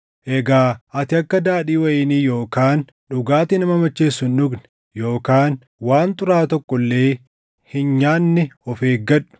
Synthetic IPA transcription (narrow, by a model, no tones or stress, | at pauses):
ʔɛɡaːɐt̪ɪɐkːɐd̪aːᶑiːwɐʔiːniːjo̞ːkaːn | ᶑʊɡaːt̪ɪnɐmɐmɐt͡ʃːeːsːʊnᶑʊɡnɛ̥ | jo̞ːkaːn | waːnt̪ʊɾaːt̪ɔkːɔlːe̞ː | hɪnɲaːnːɪɔfeːɡɐᶑʊ̥